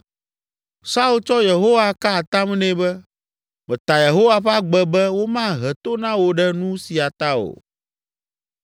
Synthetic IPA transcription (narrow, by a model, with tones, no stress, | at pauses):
sa˦u˦lt͡ʃɔ˦je˨ɦo˦wa˨ka˦˨t̪a˦m˦nɛ̃˦bɛ˦ | mɛ̃˨t̪a˨je˨ɦo˦wa˦ɸa˦ɡ͡bɛ˦bɛ˦wo˦mã˦ɦɛ˨t̪o˦nã˦wo˨ɖɛ˦nũ˦si˨a˨t̪a˦o̰˨